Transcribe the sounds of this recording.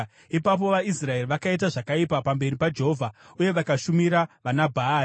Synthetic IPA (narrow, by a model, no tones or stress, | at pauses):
ipap̬o̞ʋaisrae̞riʋakait̬aʐakaipapambe̞ɾipad͡ʒeɦovʱauje̞ʋakaʃumiɾaʋanabʱa